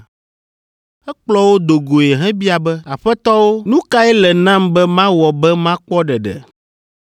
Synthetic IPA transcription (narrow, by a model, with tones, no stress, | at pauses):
ɛ˦k͡plɔ˦wo˦d̪o˨ɡo˨jɛ˨ɦɛ̃˦bi˦a˨bɛ˦a˨ɸɛ˦t̪ɔ˦wo˦nũ˦ka˦ɛ˦lɛ˨nã˦mbɛ˦mã˦wɔ˨bɛ˦mã˦k͡pɔ˦ɖɛ˨ɖɛ̰˨